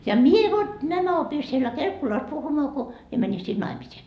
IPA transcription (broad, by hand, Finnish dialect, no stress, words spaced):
jɑ mie ʋot næmæ opi sielːæ kelkːulɑs puhumɑː ko mie mæni sin nɑimisiːn